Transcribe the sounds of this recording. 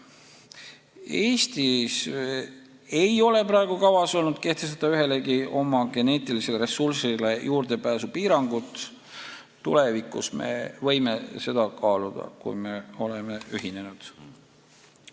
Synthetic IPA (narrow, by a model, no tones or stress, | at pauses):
e̞ːst̪is | e̞jo̞le̞pɾɑeɡ̥ukɑvɑso̞lnud̪̥̚ke̞ht̪es̬t̪ɑ̥t̪ːɑyɦe̞le̞ɡiʔo̞mɑɡ̥e̞ne̞ːt̪ˑilise̞leɾe̞sursilejuːrd̪e̞pæːsupiːɾɑŋɡ̥ut̪ː | ule̞vikːṵsme̞̰vɤ̞jme̞se̞d̪̥ɑkɑːlud̪̥ɑ̰kṵjme̞o̞leme̞yɦine̞nud̪̥